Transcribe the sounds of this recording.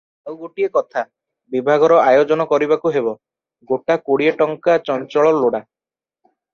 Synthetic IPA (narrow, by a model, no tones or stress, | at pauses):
awɡoʈiekɔt̪ʰa | bibʱaɡɔɾɔajod͡ʒɔnɔkɔɾibakuɦebɔ | ɡoʈakoɽieʈɔŋkat͡ʃɔnt͡ʃɔɭɔloɽa